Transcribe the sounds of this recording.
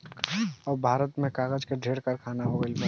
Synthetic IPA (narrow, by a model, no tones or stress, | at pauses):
ɔːɾbʱaːɾət̪mẽkaːɣəd͡ʒkeɖʱeːɾkəɾkʰaːnaɦoelmə